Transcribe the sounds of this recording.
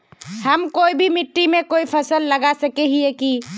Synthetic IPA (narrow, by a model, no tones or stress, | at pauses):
həmkoibʱimiʈːimekoipʰəsəlːəɡasəkɛɦieki